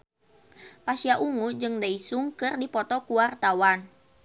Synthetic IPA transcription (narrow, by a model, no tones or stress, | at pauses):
pasiaʔuŋud͡ʒɨŋdaisuŋkɨrdipɔt̪ɔkuwart̪awan